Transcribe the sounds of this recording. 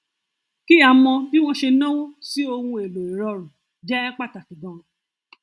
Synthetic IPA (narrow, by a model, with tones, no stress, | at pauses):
ki˦a˨mɔ̃˧bi˦w̃ɔ̃˦ʃe˧nɔ̃˦wɔ̃˦si˦o˧hũ˧e˨lo˨i˨ɾɔ˧ɾũ˨ | d͡ʒɛ˦k͡pa˦˨ta˨ki˨dɔ̃˨